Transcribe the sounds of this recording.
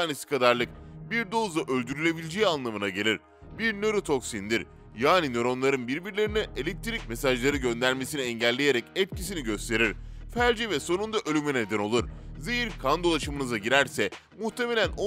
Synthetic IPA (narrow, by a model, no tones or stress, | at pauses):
aːnesi̥kʰad̪aɾlˠɯk̚biɾd̪o̞zaʔølʲd̪yɾylʲe̞bilʲed͡ʒeanlˠamɯnaɟe̞lʲiɾ̥ | biɾnø̞ɾot̪ʰo̞ksind̪iɾ | jaːninø̞ɾo̞nlˠaɾɯnbiɾbiɾlʲe̞ɾiniʔe̞lʲɛc̚t̪ʰiɾicme̞saʒlˠaɾɯɟø̞nd̪æɾme̞siniɛɲɟælʲːe̞jeɾɛcɛp̚cʰis̬iniɟø̞st̪ʰe̞ɾiɾ̥fæɾd͡ʒivɛso̞nund̪aʔølʲymɛne̞d̪æno̞lˠuɾzejiɾkʰand̪o̞lˠaʃamɯnɯzaɟiɾæɾsɛ | muht̪ʰe̞me̞lʲænʔo